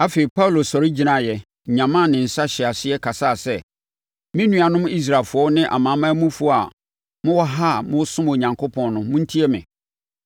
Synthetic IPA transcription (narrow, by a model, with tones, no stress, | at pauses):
a˦fe˨i˨pʰa˦u˨lo˨sɔ˨ɾɪ˦d͡ʑi˦nã˨jɛ˨ | ɲã˨mã˦˨nɪ̃˨n̩˨sa˦ɕɛ˨a˨sɪ˦ɛ˦kʰa˨sa˦˨sɛ˦˨ | mɪ̃˦nũ˦a˨nʊ̃˦m̃˦i˦s̬ɾa˨lfʊ˨ɔ˦nɪ̃˦ʔa̰˨mãː˨˦mã˦mũ˦fʊ˦˨a˨ | mʊ̃˦wɔ˦ɦa˦˨mʊ̃˦sʊ̃˦m˨o˨ɲã˨ŋkʰo˦pʰɔ̃˨nnʊ̃˦mʊ̃˦n̩˦tʰi˦ɛ˦mɪ̰̃˨